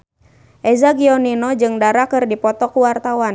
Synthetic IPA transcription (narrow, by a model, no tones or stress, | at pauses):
ʔɛzaɡiɔninɔd͡ʒɨŋdaɾakɨrdipɔt̪ɔkuwart̪awan